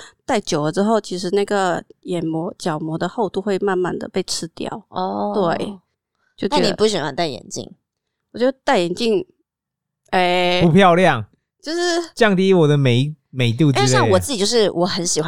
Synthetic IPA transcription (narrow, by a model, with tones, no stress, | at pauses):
t̪a˥˩ɪt͡ɕjo˨˩ʊlə˦ʈ͡ʂɻ̩˥xo˥˩ʊt͡ɕʰi˧˥ʂ̬ɻ̩˧˥˦na˥˩ɡə˩jɛ˨˩nmɔ˧˥t͡ɕjɑ˨˩ʊmwɔ˧˥d̪ə˧xo˥˧ʊt̪u˥˧xwe˥˧ɪma˥˧nma˥˩nd̪ə̰˩pe˥˩ɪʈ͡ʂʰɻ̩˥t̪jɑ̰˥˨˩ʊɔ˧t̪we˥˩ɪ | t͡ɕjo˥˩ʊt͡ɕaɛ˧˥˨ni˨pu˥˩ɕ̬ɥɛ˨nwa˧˦nt̪a˥˩ɪjɛ̰˨˩nt͡ɕḭ˥˨˩ŋ | wɔ˨˩t͡ɕo˥˩˧t̪a˥˩ɪjɛ˨˩nt͡ɕi˥˧ŋ | e˥˩ɪpu˧˥pʰjɑ˥˧ʊljɑ˥˨ŋ | t͡ɕjo˥˧ʊʂɻ̩˥˩˨t͡ɕjɑ˥˨ŋt̪i˧˥wɔ˨˩d̪ə˦me˨˩ɪ | me˨˩ɪt̪̬ji˥˧˥wɔ˨t͡st͡s̩˥˩i˨˩t͡ɕo˥˧ʊʂɻ̩˥˩wʔɔ˧˥xə˧˥nɕi˨xwa˥